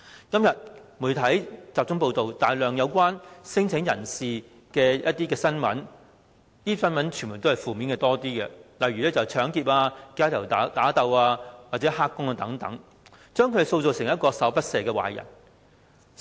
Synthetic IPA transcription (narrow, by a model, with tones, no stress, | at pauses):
kɐ˥mjɐ˨t̚muː˨˩jt̪ʰɐ˨˥jt͡saː˨p̚t͡sʊ˥ŋpo˧wt̪o˨wt̪aː˨jlœː˨ŋjɐ˨˧wkʷwaː˥nsɪ˥ŋt͡sʰɪ˨˥ŋjɐ˨˩nsiː˨ | kɛː˧jɐ˥t̚t̪iː˥kɛː˧sɐ˥nmɐ̰˨˥n | t̪iː˥sɐ˥nmɐ˨˥nt͡ʃʰyː˨˩nmuː˨˩jt̪o˥hɐ˨jfuː˨miː˨˥nkɛ˧t̪ɔː˥t̪iː˥kɛ˧lɐ˨jɥyː˨lɛː˥t͡sɐ˨˩wt͡ʃʰœː˨˥ŋkiː˨p̚aː˧kaː˥t̪ʰɐ˨˩wt̪ːt̪aː˨˥t̪ɐ˨˧waː˧waː˨t̚t͡sɛː˨˥ɦaː˥kːʊ˥ŋaː˧t̪ɐ˨˥ŋt̪ɐ̰˨˥ŋ | t͡ʃœː˥ŋʰɵ˧d̪e˨so˧wt͡so˨wsɪ˨˩ŋɐ˥t̚kɔː˧sɐ˨˥wpɐ˥t̚sɛː˨kɛː˧wa̰ː˨˩jɐ̰˨˩n